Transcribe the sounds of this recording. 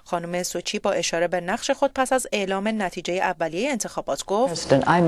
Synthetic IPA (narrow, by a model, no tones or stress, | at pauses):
xɒːnume̞sot͡ʃʰiːbɒːʔe̞ʃɒːɾe̞benæχʃe̞xo̞d̪̚pʰæsæze̞ʔlɒːme̞næt̪ʰiːd͡ʒe̞jeʔævːælijejeːnt̪ʰe̞xɒːbɒːt̪ʰɡ̥oːzdə̃nãɪ